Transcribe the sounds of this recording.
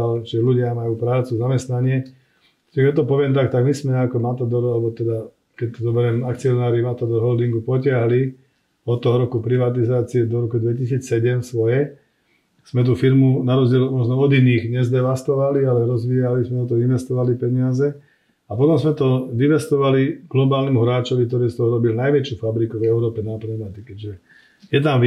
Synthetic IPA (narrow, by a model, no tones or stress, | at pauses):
alʒɛluɟɪamajuːpɾaːt͡suzamɛst̪naɲɪɛ | aʒɛkɛt̪̚ʲt̪ɔpɔʋɪɛmt̪akt̪aɡmismɛɲɛakɔmat̪ad̪ɔɾalɛbɔt̪ɛd̪a | kɛct̪ɔzɔbɛɾɛmakt͡siɔnaːɾimat̪ad̪ɔɾɦɔld̪iŋɡupɔcɪaɦli | ɔt̪ːɔɦɔɾɔkupɾiʋat̪̬izaːt͡siɛd̪ɔɾɔkud̪ʋɛcisiːt͡ssɛɟɛmsʋɔjɛ | z̥mɛt̪̬ufiɾmunaɾɔzɟɪɛlmɔʒnɔɔd̪iniɣɲɛzd̪ɛʋast̪ɔʋalialɛɾɔzʋiːalizmɛt̪ɔt̪̬ɔinʋɛst̪ɔʋalipɛɲɪazɛ | apɔt̪ɔmzmɛt̪ɔʋiʋɛst̪ɔʋaliɡlɔbaːlnɛmuɦɾaːt͡ʃɔʋik̚t̪ɔɾiːst̪ɔɦɔɾɔbilinajʋɛt͡ʃjufabɾikuvɛʊɾɔːpɛnapɾɛnat̪ikɛɟʒɛ | jɛt̪̬amʋ